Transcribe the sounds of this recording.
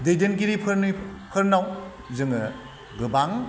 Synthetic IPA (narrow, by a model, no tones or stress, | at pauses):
dejdenk̬iɾipʰɯɾipʰɯɾnaw | zɯŋɯ | ɡɯbaŋ